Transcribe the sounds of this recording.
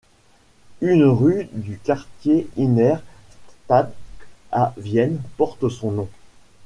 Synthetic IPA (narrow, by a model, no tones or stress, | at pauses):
ynʁyd̪ykaʁt̪jeinɛʁst̪ad̪avjɛnpɔʁt̪əsɔ̃nɔ̃